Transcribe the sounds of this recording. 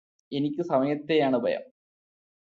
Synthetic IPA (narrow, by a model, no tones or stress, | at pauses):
e̞nikʲːɨsɐmɐjɐt̪ːe̞jaːɳɨbʱɐ̰jɐ̰m